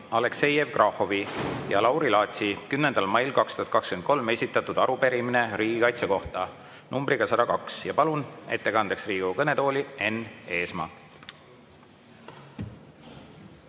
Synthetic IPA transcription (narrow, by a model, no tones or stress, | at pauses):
ɑle̞kse̞je̞vkrʔɑhovijɑlɑwɾilɑːt̪sikymnend̪̥ɑlmɑjlkɑkst̪uhɑt̪̚kɑkskyen̚ko̞lme̞sʲit̪ːˑɑt̪ud̪̥ɑɾupe̞ɾimine̞ɾiːɡikɑjt̪seko̞ht̪ɑ | numbriɡ̥ɑsɑd̪ɑkɑksjɑpɑlune̞̰t̪ːe̞kɑnd̪̥eksriːɡ̥ukɤne̞t̪o̞ːlʲie̞ne̞ːsmɑː